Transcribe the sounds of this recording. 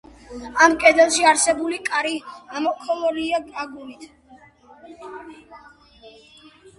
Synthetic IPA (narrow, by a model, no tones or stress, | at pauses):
amkʼɛd̪ɛlˠʃiaɾsɛbulikʼaɾiamɔkʰɔlɔliaɡaɡulit̪ʰ